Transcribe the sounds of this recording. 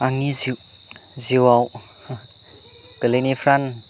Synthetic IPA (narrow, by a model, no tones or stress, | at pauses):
aŋiziw | ziwaw | kəlenifɾan